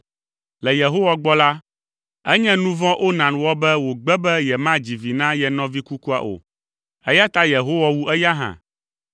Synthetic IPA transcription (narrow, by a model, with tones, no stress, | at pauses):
lɛ˨je˨ɦo˦wa˨ɡ͡bɔ˦la˦ | ɛ˦ɲɛ̃˦nũ˦vɔ̃˦ʔo˦nã˨nwɔ˦bɛ˦wo˨ɡ͡bɛ˦bɛ˦jɛ˨mã˦d͡ʑi˨vi˨nã˦jɛ˨nɔ̃˦vi˦ku˦ku˦a̰˨ʔo̰˨ | ɛ˦ja˦t̪a˦je˨ɦo˦wa˦wu˦ʔɛ˦ja˦ɦã̰˨